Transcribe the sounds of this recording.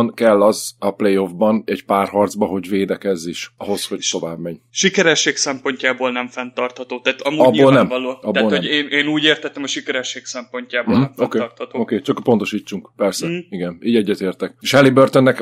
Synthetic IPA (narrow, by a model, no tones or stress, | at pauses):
nkɛlːɒzɒplejo̞vbɒnɛɟpaːrhɒrd̪zbɒɦo̞ɟveːd̪ɛkɛzːiʃɒɦo̞sho̞c̚t̪o̞va̰ːbmɛɲʃikɛɾɛʃːeːksɛmpo̞ɲcaːboːlnɛɱfɛnt̪ɒrt̪hɒt̪oːt̪aːt̪ɒmuɒbboːlnɛmloːɒb̪aoːloɛeːneːnuːɟeːrt̪ɛt̪ːɛmɒʃikɛɾɛʃːeːksɛmpo̞ɲcaːb̩oɦm̩okeːt̪ht̪ookeːt͡ʃɒkpo̞nt̪o̞ʃiːt͡ʃːuŋkpɛrsɛiɡɛniːɟɛɟːɛt̪eːrt̪ɛkeːʃhɛlibørt̪onːɛk